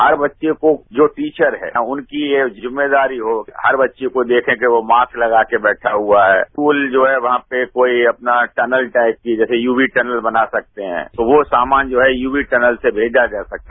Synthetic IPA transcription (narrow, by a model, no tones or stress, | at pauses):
ɦɐɾbɐtːʃekod͡ʒoːʈiːt͡ʃəɾɦɛ̰ːʊnkieːzɪmːed̪aːɾiɦohɐɾbɐtːʃekod̪eːkʰẽkeʋomaːsklɐɡaːkebɛːʈʰaɦuaɦɛ̰ːuːld͡ʒoːɦɛʋɐɦãpekoːiɐpnaʈɛnəlʈaːɪp̚kid͡ʒɛːsejuːbiʈɛnəlbɐnasɐk̚t̪eɦɛ̰̃ːt̪oʋosaːmaːnd͡ʒoːɦɛjuːbiʈɛnəlsebʱeːd͡ʒad͡ʒaːsɐk̚t̪a